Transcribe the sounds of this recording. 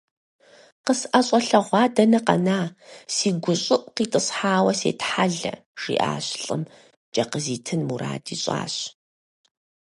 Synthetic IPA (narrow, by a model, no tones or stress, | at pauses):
qəsʔɐɕʼɐɬɐʁʷɑːdɐnɐqɐ̰naːsiːɡʷʊɕʼɪʔʷʼqiːtʼɨɕħaːwɐsḛːtħaɮɐ̰ | ʒ̥ḭːʔa̰ːɕɬʼɨm | d͡ʒʼɐqəziːtʰɨnmuɾa̰ːdḭːɕʼa̰ːɕ